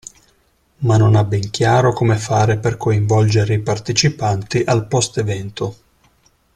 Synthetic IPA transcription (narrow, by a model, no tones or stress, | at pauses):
manːonabːɛŋkjaːɾokomefaːɾeperkoiɱvɔld͡ʒeɾeipart̪et͡ʃipant̪iʔalpɔst̪evɛnt̪o